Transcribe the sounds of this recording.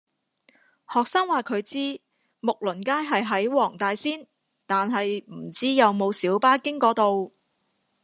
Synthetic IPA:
hɔː˨k̚sɐ˥ŋwaː˨˩kʰɵ˨˧ɥt͡siː˥ | mʊ˨k̚lɵ˨˩nkaː˥jɦɐ˨jɦɐ˨˥jwɔː˨˩ŋt̪aː˨jsiː˥n | t̪aː˨nɦɐ˨jm̩˨˩t͡siː˥jɐ˨˧wmo˨˧wsiː˨˥wpaː˥kɪ˥ŋkɔː˨˥t̪o˨w

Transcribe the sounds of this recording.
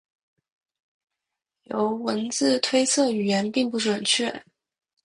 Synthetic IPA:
jo˧˥ʊwə˧˥nt͡sɹ̩˥˧t̪ʰwe˥ɪt͡sʰɤ˥˩y˨˩jɛ˧˥npi˥˧ŋpu˥˩ʈ͡ʂwə˨˩nt͡ɕʰɥɛ˥˩

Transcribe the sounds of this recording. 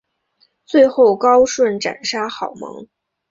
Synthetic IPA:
t͡swe˥˧ɪxo˥˩ʊkɑ˥ʊʂwə˥˩nʈ͡ʂa̰˨˩nʂa˥xɑ˨˩ʊmɤ̰˧˥ŋ

